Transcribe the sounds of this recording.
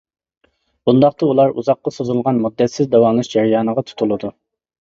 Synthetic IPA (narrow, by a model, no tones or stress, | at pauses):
b̥und̪ɑχt̪ɑulˠɑɾṵzɑqːɑsozulˠʁɑnmud̪ːɛt̪sɪzd̪ɛwɑmlˠɨʃd͡ʒɛɾijɑːnəʁɑt̪ʰu̥t̪ʰulˠɨd̪u